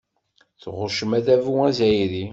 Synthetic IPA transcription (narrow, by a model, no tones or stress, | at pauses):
θʁʊʃəmæðævuæzæjɾi